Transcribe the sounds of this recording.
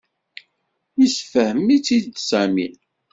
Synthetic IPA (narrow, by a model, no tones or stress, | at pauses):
jisfəhəmːit͡sːid̪sæmḭn